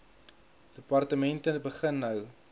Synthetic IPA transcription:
d̥əpɐrtəmɛntəbəχənːəw

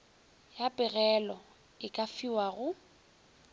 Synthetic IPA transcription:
japʼɪɣɛlɔ | ɪkʼafiwaɣʊ

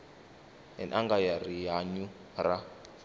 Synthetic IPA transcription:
ɛ̰nʔaŋɡajarijaɲu | ra

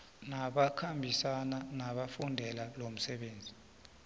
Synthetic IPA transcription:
naɓakʰambʱisananaɓafundʱɛlalom̩sɛɓeːnd͡zʱi

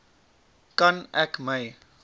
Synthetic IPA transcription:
kɐnʔɛkməj

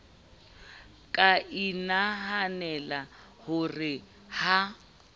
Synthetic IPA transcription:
kʼaʔinaɦanɛla | hʊrɪ | ha

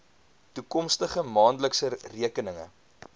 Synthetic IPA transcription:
tukɔmstəχəmɑːndləksəriəkənəŋə̰

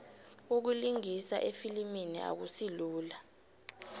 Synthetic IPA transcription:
uk̬uliŋisaʔefiliminḭʔa̰k̬usiluːla

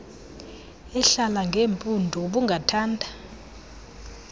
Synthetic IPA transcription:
ɛɬalaŋɡʱeːɱpʼundʱɔɓuŋɡʱatʰaːndʱḁ

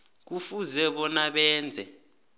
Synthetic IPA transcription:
k̬ufuzɛɓɔnaɓɛːnd͡zʱɛ

